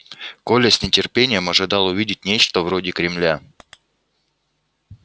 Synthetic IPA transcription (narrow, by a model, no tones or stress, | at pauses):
kolʲɪsʲnʲɪtʲɪrpʲenʲɪjəmɐʐɨd̪ɑlˠʊvʲidʲɪt̚ʲnʲet͡ɕt̪əvɾo̞dʲɪkɾʲɪmlʲa